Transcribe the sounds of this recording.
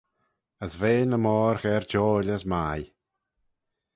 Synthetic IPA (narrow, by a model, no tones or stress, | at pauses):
əsveːnəmɔːɾxɛɹd͡ʒɔːlʲəsmaj